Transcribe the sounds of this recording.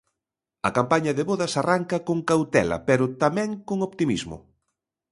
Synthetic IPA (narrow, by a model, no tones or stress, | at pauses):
ɐkampaɲɐðeβoðɐsaraŋkɐkoŋkawt̪ɛ̰lɐ̰pɛɾʊt̪amɛ̃ŋkoŋopt̪imizmʊ̰